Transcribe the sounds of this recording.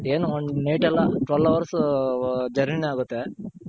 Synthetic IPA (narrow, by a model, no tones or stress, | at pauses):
eːnuɔɳneːʈɛlːɐʈʋɐlɐʋɐɾs | d͡ʒɐɾminaːɡut̪ːe